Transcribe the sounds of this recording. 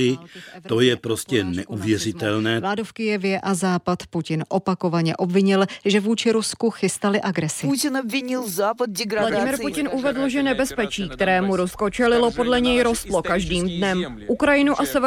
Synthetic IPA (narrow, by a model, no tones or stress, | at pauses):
ɪt̪o̞jɛpɾo̞scɛnɛʔuvjɛrɪt̪ɛlnɛːvlaːdo̞fkɪjɛvjɛʔazaːpat̪pucɪnʔo̞pako̞vaɲɛʔo̞bvɪɲɪlʒɛvuːt͡ʃɪɾuskuxɪst̪alɪʔaɡɾɛsɪɪnobvɪɲɪlzaːpad̪ɡladɪmɪɾpucɪnʔuvɛdl̩ʒɛnɛbɛspɛt͡ʃiːkt̪ɛɾɛːmuɾusko̞t͡ʃɛlɪlo̞po̞dlɛɲɛjɾo̞st̪lo̞kaʒdiːmdnɛmʔukɾajɪnuʔasɛv